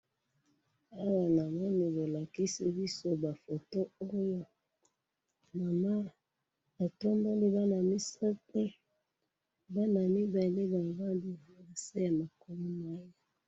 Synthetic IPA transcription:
a˦wa˨na˨ma˦ni˨bo˨la˨ki˦si˦bi˦so˦ba˨fo˨to˦o˦jo˦ | ma˨ma˦ | ba˨to˦mbe˦li˦ba˦na˨mi˦sa˦te˦ | ba˦na˨mi˦ba˨le˦ba˨va˦ndi˦˨a˨sa˦ja˨ma˨ko˨mu˦ma˦je˦

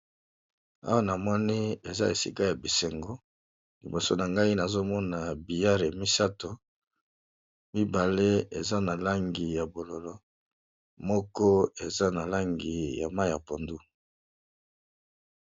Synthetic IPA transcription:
a̰˦wa˦na˨mɔ˦ni˦e˨za̰˦e˨sḭ˦ka˦ja˨bi˨se˨ŋɡo˦ | lḭ˨bo˨so˦na˨ŋɡa˦i˦na˨zo˦mɔ˦na˨bi˨ja˦ʁe˨mi˦sa˦to˨ | mi˦ba˨le˦e˨za˦na˨la˦ŋɡi˨ja˨bo˨lo˨lɔ˦ | mɔ˦kɔ˦e˨za˦na˨la˦ŋɡi˨ja̰˨ma˦jja˨po˨ndu˦

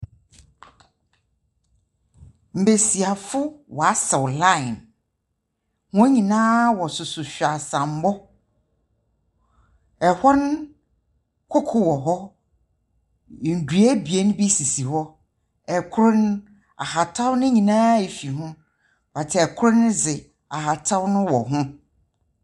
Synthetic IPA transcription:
m̩˨be˨si˨a˨fʊ˦wɔ˨a˦sɛ˨wlã˦jn | hʊ̃˦ɲĩ˨nãː˦wɔ˨sʊ˨sʊ˨ɕᶣa˨sã˨m̩˨˦mɔ˦ | ɛ˨hɔ˦n˦ | kʷʰʊ˦kʰʊ˨wɔ˨ɦɔ˦˨ | n̩˨dɥæ˦bi˨e˦nʊ̃˦bi˦si˨si˨hɔ˦ | ɛ˨kʰʊ˦ɾʊ̃˦n˦ | a̰˨ha˨tʰa˦wnʊ̃˦ɲĩ˨nãː˦e˨fi˨ɦʊ̃˦ | ba˨tʰɪ˨˦ɛ˨kʰʊ˦ɾʊ˦nʊ̃˦d͡zɪ˨ | a˨ɦa˨tʰa˦wnʊ̃˦wɔ̰˨ɦʊ̃˦

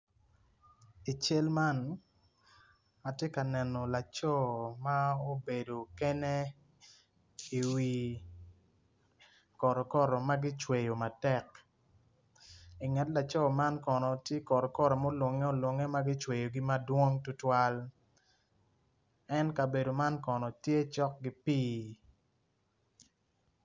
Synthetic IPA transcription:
i˨t͡ʃe˦lma˦n | a˨tje˦ka˨nɛ˨nɔ˨la˨t͡ʃɔ˦ma˦o˦be˨do˨kɛ˦nɛ˦ | i˨wi˨ | kɔ˨ɾɔ˨kɔ˦ɾɔ˨ma˦ɡi˦t͡ʃwe˨jo˨ma˨tɛ˦k | i˨ŋɛ˨tla˨t͡ʃɔ˦˨ma˦nkɔ˨nɔ˨tje˦kɔ˨ɾɔ˨kɔ˦ɾɔ˨mo˦lwo˨ŋɛ˦o˦lwɔ˨ŋɛ˦ma˦ɡɪ˦t͡ʃwe˨jo˨ɡi˦ma˦dwo˦ŋtu˦twa˦l | ɛ˦nka˨be˨do˨ma˦nkɔ˨nɔ˨tje˦t͡ʃɔ˦k̚ɡi˦piː˦

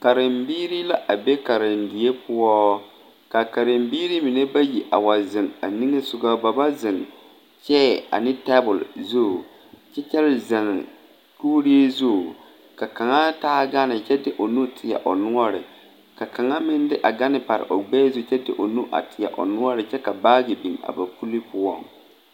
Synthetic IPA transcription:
ka˨ɾɪ˨mbiː˦ɾi˦la˦ʔa˨be˦ka˨ɾɪ˨n˨dɪ˨e˦pʊ˦ɔ˦ | ka˨ka˨ɾɪ˨mbiː˦ɾi˦mi˨ne˦ba˦ji˨ʔa˨wa˨zɪ˨ŋa˨ni˦ŋe˦sʊ˨ɡa˦ba˨ba˦zɪ˨ŋ | t͡ʃɛ˦a̰˨nɪ˦tɛ˦bʊ˨lzu˦˨ | t͡ʃɛ˦t͡ʃɛ˦lza˨ŋ˨ | tuː˦ɾi˦e˦zo˦˨ | ka˨ka˨ŋa˦taː˦ɡa˦nɪ˨t͡ʃɛ˦dɪ˦ʔo˨nu˦tʰɪ˨ja̰˨ʔo̰˨nʊ˦ɔ˦ɾɪ̰˨ | ka˨ka˨ŋa˦mɪ˦ndɪ˦ʔa˨ɡa˦nɪ˨pa˨ɾɪ̰˨ʔo˨ɡ͡bɛː˦zu˦˨t͡ʃɛ˦dɪ̰˦ʔo˨nu˦ʔa̰˨tɪ˨ja̰˨ʔo̰˨nʊ˦ɔ˦ɾɪ˨t͡ʃɛ˦ka˨baː˦ɡɪ˨bi˨ŋa̰˨ba˨ku˦li˦pʊ˦ɔ˦ŋ

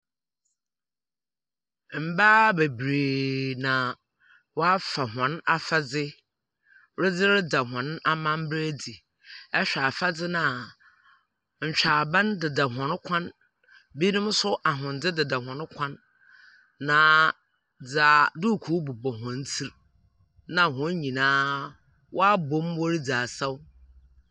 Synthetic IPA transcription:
m̩˨baː˦be˨bɾeː˨nã˨ | wɔ˦a˦fa˨ɦã˨na˦fa˦d͡zɪ˦ | ɾɪ˦d͡zɪ˦ɾɪ˦da˨ɦã˨˦n˦a˦mã˦m̩˦bɾæ˦di˨ | ɛ˦ɕᶣa˨fa˦d͡zɪ˦nã˨ | ɲ̩˨t͡ɕᶣaː˨bã˦ndɪ˨da˨ɦɔ̃˨n˦kʷʰã˦n | biː˦nʊ̃˦m˦sʊ˦ʔa˨ɦʊ̃˨ndɪ˦dɪ˨da˨ɦɔ̃˨n˦kʷʰã˦nː | ã˨˦ | d͡zaː˨du˦˨kʰuː˨˦bʊ˨bɔ˨ɦɔ̃˨n˦tʰi˦ɾ | nã˨ɦʊ̃˨˦ɲĩ˨nãː˦ | wʔɔ˦a˦bõ˨˦mwɔ˦ɾi˦d͡zaː˨sa˦w

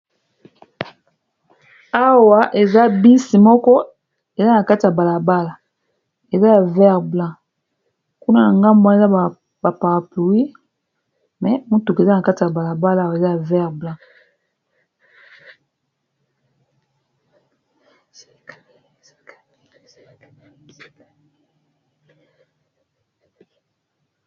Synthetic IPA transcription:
a˦wa˨ʔe˨za˦bi˦si˨mɔ˦kɔ˦ | e˨za˦na˨ka˦ti˨ja˨ba˨la˨ba˦la˨ | e˨za˦ja˨vɛ˦ʁblã˦ | ku˦na˦na˨ŋɡa˦mba˦e˨za˦˨ | ba˨pa˨ʁa˨pu˨wi˦ | mɛ˨mu˦tu˨ke˨za˦na˨ka˦ti˨a˨ba˨la˨ba˦la˦˨we˨za˦ja˨vɛ˦ʁblã˦

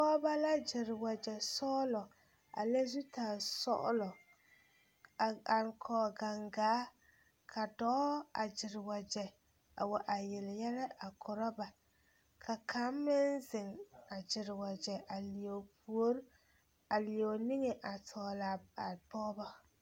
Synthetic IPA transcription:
bɔ˦ba˦la˦d͡ʒɪ˨ɾɪ˨wa˨d͡ʒɛ˨sɔː˦lɔ˨ | a̰˨le˦zu˦tʰaː˨sɔ̰˦ʔʊ̰˦lɔ˨ | a˨ŋkʰɔː˨ɡa˨ŋɡaː˨˦ | kʰa˨dɔː˦a̰˨d͡ʒɪ˨ɾɪ˨wa˨d͡ʒɛ˨ | a̰˨wa˨ʔa˨jɪ˨lɪ˨jɛ˦lɛ˦ʔa˨kʰɔ˨ɾɔ˦ba˨ | kʰa˨kʰa˨˦mː˦ɪ˦nzɪ˨ŋa˨d͡ʒɪ˨ɾɪ˨wa˨d͡ʒɛ˨ʔa˨li˨o˨pu˨o˦ɾ | a˨li˨o˨nɪ˦ŋɛ˨ʔa˨tʰɔː˨la˨a˨bɔː˦bɔ˦

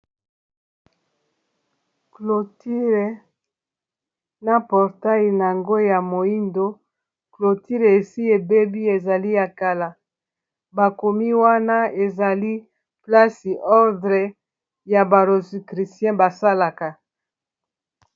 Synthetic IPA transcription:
klo˨ti˦ʁe˨ | na˨pɔ˨ʁta˦i˨na˨a˨ŋɡo˦ja˨mo˨i˦ndo˦ | klo˨ti˦ʁe˨e˨si˦e˨be˦bi˦e˨za˨li˦ja˨ka˨la˨ | ba˨ko˨mi˦wa˦na˦e˨za˨li˦ | pla˦si˨ʔɔ˦ʁdʁɛ˨ | ja˨ba˨ʁo˨si˨kʁi˨sjɛ̃˦ba˨sa˦la˨ka˨

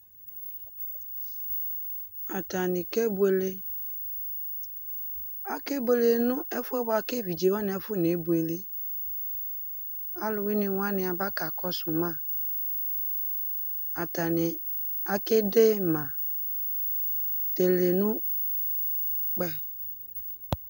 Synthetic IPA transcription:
a˨ta˨nɪ˨ke˦bu˨e˨le˦ | a˨ke˦be˨le˨nʊ̃˦ʔɛ˦fʊ˦ɛ˦ba˨ke˦vi˨d͡ʒe˨wa˦nɪ˨˦ɛ˦fʊ˦˨n˨e˨˦bu˨e˨le˦ | a˦lʊ˨wɪ˦nɪ˨wa˦nɪ˨a˨ba˦ka˨kɔ˦sʊ˨mã˦˨ | a˨ta˨nɪ˨ | a˦kɪ˦de˦mã˨ | te˨le˨nʊ̃˦ | k͡pɛ˨

